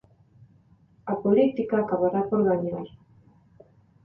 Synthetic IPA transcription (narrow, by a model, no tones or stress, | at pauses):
apolit̪ikakaβaɾapoɾɣaɲaj